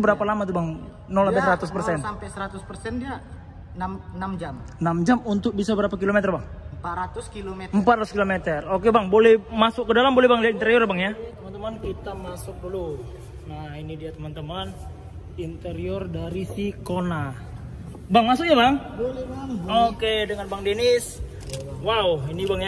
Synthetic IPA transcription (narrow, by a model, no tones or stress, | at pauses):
bəɾapalamat̪̬ubaŋ | nolabɛsəɾat̪ʊspərsɛnampɛjsəɾat̪ʊspərsɛndia | namnamd͡ʒamnamd͡ʒamunt̪ʊk̚bisabəɾapak̬ilomɛt̪ərbaŋəmpat̪ɾat̪ʊskilomeəmpat̪rat̪uskilomet̪ərokebaŋbolɛhmasʊkːədalambolɛhbaŋdiat̪int̪əɾiɔrjabaŋjat̪əmant̪əmankit̪amasʊk̚dulu | nahinidiat̪əmant̪əman | int̪əɾiɔrdaɾisikona | baŋmasʊk̚ɲabaŋ | lokedəŋanbaŋdenɪs | wauinibaŋja